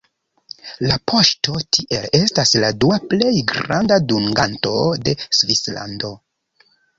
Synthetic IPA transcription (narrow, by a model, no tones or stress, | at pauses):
lapʰo̞ʃto̞tʰiʔe̞le̞stasladuaple̞jɡɾandaduŋɡanto̞̰de̞svisla̰ndo̞